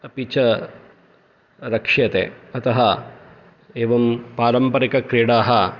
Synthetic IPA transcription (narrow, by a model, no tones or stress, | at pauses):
ɐpit͡ʃɐ | ɾɐkʂjɐt̪ḛːɐt̪ɐɦɐ | eːʋɐmpaːɾɐmpɐɾikɐkɾiːɽaːɦɐ